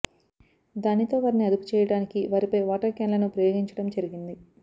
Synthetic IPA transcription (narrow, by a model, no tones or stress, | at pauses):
d̪aːnit̪o̞ːʋaːɾiniɐd̪upu̥t͡ʃɛːjɐɽaːnikiʋaːɾipɐjʋaːʈaːkjɐːnlɐnupɾɐjo̞ːɡiɲt͡ʃɐɽɐmd͡ʒɐɾiɡind̪i